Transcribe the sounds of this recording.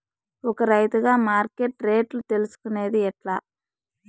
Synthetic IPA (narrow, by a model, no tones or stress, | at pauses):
ɔkːɐɾɐjt̪ɯɣaːmaːɾkeʈɾeːʈlt̪ɛlɪsɯ̥kːɯneːðɯɛʈlaː